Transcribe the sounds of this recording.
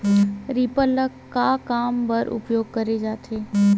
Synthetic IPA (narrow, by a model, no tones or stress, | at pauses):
ɾipələkːakaːmpəɾʔʊ̰pjoːɡ̚kəɾed͡ʒaːt̪ʰeː